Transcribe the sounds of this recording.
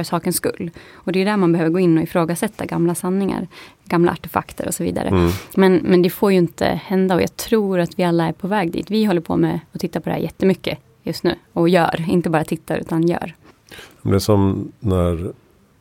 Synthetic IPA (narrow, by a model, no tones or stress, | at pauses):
ɾsɑːkənskɵ̰lːɔd̪ɛjʉd̪æːɾmanbɛhøːvəɾɡoːɪnːɔɪfɾoːɡasɛt̪ːaɡamlasanːɪŋa̰ɾɡamla̰a̰ʈɛfa̰kt̪ʰə̰ɾɔ̰sɔvḭːd̪a̰ɾə̰mɛnmɛnd̪ɛfoːɾjɵɪnt̪ə̰hɛnd̪aɔ̰jɑ̰ːt̪ʰɾuːɾat̪vɪalːaæɾpʰɔvɛːɡd̪ḭːt̪vɪɦɔlːəɾpʰɔ̰mɛɔt̪ʰɪt̪ːapɔd̪ɛ̰hæ̰ɾjɛt̪ːəmʏkːə | jɵst̪nʉ̟ːɔjœ̰ːɾɪnt̪əbɑːɾat̪ʰɪt̪ːaɾʉ̟ːt̪anjœ̰ːɾ | ɛd̪ɛsɔmnæɾ